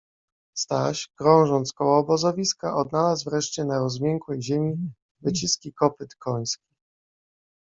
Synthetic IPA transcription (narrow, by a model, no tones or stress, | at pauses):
st̪aɕkɾɔ̃w̃ʐɔnt̪skɔwɔːbɔzɔvʲiskaʔɔd̪̚nalasvɾɛʂt͡ɕɛnaɾɔzmʲjɛŋkwɛjʑemʲi | vɘt͡ɕiskʲikɔpɘt̪kʰɔɲ̃skʲi̥